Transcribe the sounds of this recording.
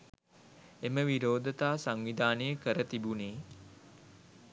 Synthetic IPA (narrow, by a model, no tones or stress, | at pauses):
eməʋiɾoːd̪ət̪aːsaŋʋid̪aːnəjəkəɾət̪ibuneː